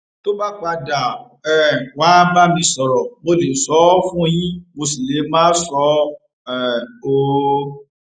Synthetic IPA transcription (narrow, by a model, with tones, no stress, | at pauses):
to˦ba˦k͡pa˧da˨ | ɛ˦˨wa˨˦ba˦mĩ˧sɔ˨ɾɔ˨mo˧le˨sɔ˨˦fũ˦j̃ĩ˦mo˧si˨le˨˦mãː˦sɔ˦ | ɛ˨o˧˨